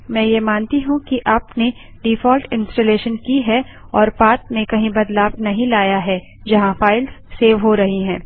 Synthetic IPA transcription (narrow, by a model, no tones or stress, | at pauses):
mɛ̃ːjemãːnt̪iɦũkiʔaːpne | ɖifɔːlʈɪ̃nsʈɐleːʃənkiɦɛ | ɔːɾpaːt̪̚mẽkɐɦĩbɐd̪laːbnɐɦĩlaːjaɦɛː | d͡ʒɐɦãfaːɪlsːeːʋɦoɾɐɦiɦɛ̃ː